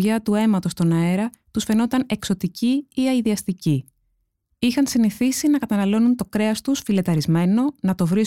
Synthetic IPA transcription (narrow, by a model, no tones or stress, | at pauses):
ʝɐt̪ue̞mɐt̪o̞st̪o̞nɐe̞ɾɐ | t̪usfe̞no̞t̪ɐne̞kso̞t̪iciiɐiðiɐst̪ici | ixɐnsiniθisinɐkɐt̪ɐnɐlo̞nunt̪o̞kɾe̞ɐst̪usfile̞t̪ɐɾizme̞no̞nɐt̪o̞vɾis